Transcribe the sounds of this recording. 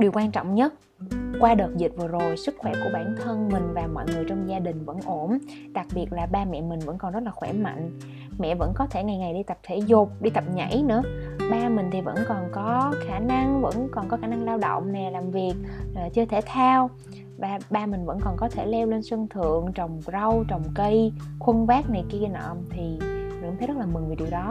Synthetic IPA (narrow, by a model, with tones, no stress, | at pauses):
ɗi˨˩əwkwaː˧nt͡ɕɔ̰˧˨wŋ͡mɲə˦˥t̚ | kwaː˧ɗəː˨˩t̚zi˨˩t̚vɨ˨˩əzo˨˩jsɨ˦˥k̚xwɛ˧˩ku˧˩əɓaː˧˩nt̪ʰə˧nmï˨˩ŋ̟vaː˨˩mɔ̰˧˨jŋɨ˨˩əjt͡ɕɔ˧wŋ͡mzaː˧ɗï˨˩ŋ̟və̰˧˥nʔo˧˩n | ɗa˨˩k̚ɓi˨˩ət̚laː˨˩ɓaː˧mɛ̰˧˨mï˨˩ŋ̟və̰˧˥nkɔ˨˩nzə˦˥t̚laː˨˩xwɛ˧˩ma̰˧˨jŋ̟ | mɛ̰˧˨və̰˧˥nkɔ˨˦t̪ʰe˧˩ŋa˨˩jŋa˨˩jɗi˧t̪ə˨˩p̚t̪ʰe˧˩zʊ˨˩k͡p̚ɗi˧t̪ə˨˩p̚ɲa̰˧˩˥jnɨ̰˧˥əɓaː˧mï̟˨˩t̪ʰi˨˩və̰˧˥nkɔ˨˩nkɔ˨˦xaː˧˩na˧ŋvə̰˧˥nkɔ˨˩nkɔ˨˦xaː˧˩na˧ŋlaː˧wɗə̰˧˨wŋ͡mnɛ˨˩laː˨˩mvi˨˩ək̚ːt͡ɕɨ˧ət̪ʰe˧˩t̪ʰa˧w | vaː˨˩ɓaː˧mï˨˩ŋ̟və̰˧˥nkɔ˨˩nkɔ˨˦t̪ʰe˧˩lɛ˧wle˧nswə˧ŋt̪ʰɨ̰˧˨əŋt͡ɕə˨˩wŋ͡mzə˧wt͡ɕɔ˨˩wŋ͡mkə˧jxwə˧nvaː˦˥k̚na˨˩jki˧ənə̰ː˧˨mt̪ʰi˨˩z̰ŋt̪ʰz̚laː˨˩mɨ˨˩ŋvi˨˩ɗi˨˩əwɗɔ˨˦